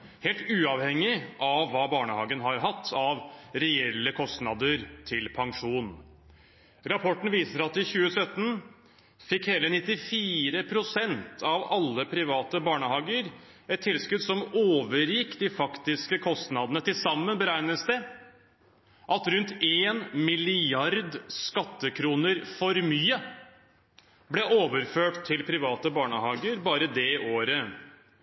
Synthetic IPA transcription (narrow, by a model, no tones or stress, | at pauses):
heːlt̪ʉːɑʋhɛŋːɪʔɑʋːɑːbɑːɳəhɑ̰ːɡənɦɑɾɦɑt̪ʰːɑʋɾɛɛlːəkʰɔst̪nɑd̪əɾt̪ʰɪlpʰɑŋʂuːn | ɾɑpʰɔʈn̩ʋiːsəɾɑt̪ːɪçʉːəsœt̪ːn̩ | fɪkhɛlːəɾnɪt̪ːɪfiːɾəpʰɾʊsɛnt̪ʰɑʋɑlːəpʰɾɪʋɑːt̪əbɑːɳəhɑːɡəɾ | ɛt̪ʰːɪlskʉd̪sɔmoːʋəɾjɪkːd̪ɪfɑkt̪ɪskəkʰɔst̪nɑd̪ənət̪ɪlsɑmːənbəɾæɪnəsd̪ə | ʔɑt̪ɾʉnt̪eːnmɪlɪɑɾd̪skɑt̪ːəkʰɾuːnəɾfɔɾmyːə | blɛʔoːʋəɾføːʈt̪ʰːɪlpʰɾɪʋɑːt̪əbɑːɳəhɑːɡəɾbɑːɾəd̪ɛʔoːɾə